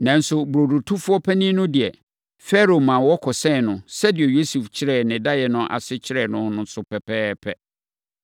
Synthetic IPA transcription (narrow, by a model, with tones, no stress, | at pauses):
nã˨n˦sʊ˦bɾo˨du˨tʰũ˦fʊ˦ɔ˦pʰɛ˦nĩ˦nʊ̃˦dɪ˨ɛ˨ | fɛ˦ɾo˨mã˨wɔ˦kʰɔ˨sɛ̃˦˨nʊ̃˨sɛ˦dɪ˨ɛ˨jo˦su˨ft͡ɕʰɪ˦ɾɛ˦˨nɪ̃˨da˦jɛ˨nʊ̃˦ʔa̰˨sɪ˦t͡ɕʰɪ˦ɾɛ˦˨nʊ̃˦nʊ̃˦sʊ˦pʰɛ˨pʰɛː˦pʰɛ˦